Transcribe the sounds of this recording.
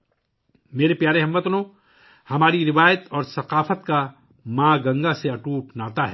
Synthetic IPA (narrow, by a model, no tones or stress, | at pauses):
meːɾepjaːɾeɦɐmːət̪nõː | hɐmaːɾiɾɪʋaːjət̪ɔːɾsɐqaːfət̪ka | mãːɡɐ̃ŋɡaseɐʈuːpnaːt̪aɦɛː